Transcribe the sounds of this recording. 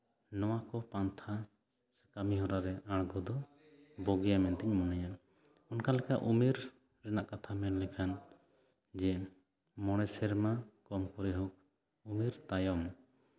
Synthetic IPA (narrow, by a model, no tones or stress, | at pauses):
nɔwakɔpant̪ʰa | sɛ̥kamiɦɔɾaɾɛaɽɡɔd̪ɔ | bɔɡɛjamɛnt̪ɛɲmɔnaja | ɔnkalɛka̰ʔumiɾ | ɾɛnaʔkat̪ʰamɛnlɛkʰan | d͡ʒɛ | mɔɽ̃ɛsɛɾmakɔmkɔɾɛɦɔk̚ | umiɾt̪ajɔm